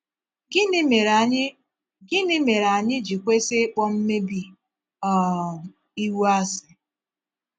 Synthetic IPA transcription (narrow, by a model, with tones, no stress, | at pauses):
ɡɪ˦nɪ˦me˨ɾa˨ɲɪ˦d͡ʒi˨kʷe˦se˦k͡pɔ˦m̩˦me˦bi˦ | ɔ˨ | i˦wu˦a˦sɪ˨